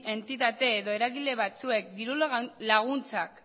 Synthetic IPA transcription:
e̞nt̪it̪at̪e̞ːðo̞e̞ɾaɣile̞βat͡sue̞k̚d̪iɾullaɣ̞unt͡sak

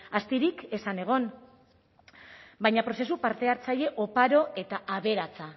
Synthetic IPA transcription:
ast̪iɾike̞sane̞ɣ̞o̞n | bajɲapɾo̞se̞supaɾt̪e̞aɾt͡saje̞ʔo̞paɾo̞e̞t̪aʔaβe̞ɾat͡sa

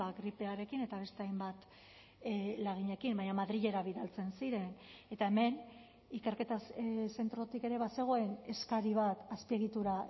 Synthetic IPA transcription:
aɡɾipe̞aɾe̞kine̞t̪aβ̞e̞st̪e̞ajmbat̪ | laɣ̞iɲe̞kimbaɲamaðɾiʎe̞ɾaβiðalt͡se̞nsiɾe̞ne̞t̪ae̞me̞n | ike̞ɾke̞t̪ase̞nt̪ɾo̞t̪ike̞ɾe̞βase̞ɣ̞o̞e̞ne̞skaɾiβ̞at̪aspie̞ɣ̞it̪uɾa

